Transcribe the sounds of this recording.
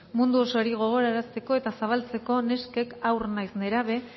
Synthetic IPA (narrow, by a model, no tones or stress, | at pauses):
mund̪uoso̞ɾiɣ̞o̞ɣ̞o̞ɾaɾast̪e̞ko̞e̞t̪asaβ̞alt͡se̞ko̞ne̞ske̞kawrnajsneɾaβe̞